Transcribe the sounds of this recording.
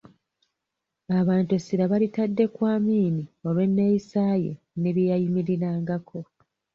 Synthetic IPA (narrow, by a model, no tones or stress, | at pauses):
aβaːntesiɾaβalitadːe̞kwaːmiːnio̞βe̞nːejisaːje | ne̞βjijajimiɾiɾaːŋɡakʰo̞